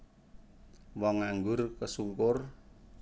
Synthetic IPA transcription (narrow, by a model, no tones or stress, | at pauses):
wɔŋaŋɡʊrkəsuŋkʊr